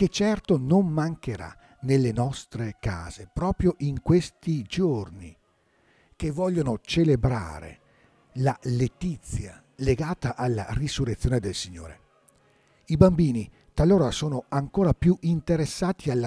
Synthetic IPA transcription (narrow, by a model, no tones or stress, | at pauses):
ket͡ʃːɛrt̪onommaŋkeɾa̰ | nelːenɔst̪ɾeka̰ːz̥epɾɔːpɾjoʔiŋkwest̪id͡ʒorni | kevːɔʎːonot͡ʃelebɾa̰ːɾḛ | lalet̪it̪sːja | leɡaːt̪aʔalːa̰risurːet̪sːjoːned̪elsiɲːo̰ːɾḛ | ibambiːni | t̪alːoːɾasoːnoaŋkoːɾapjuʔint̪eɾesːaːt̪ialːa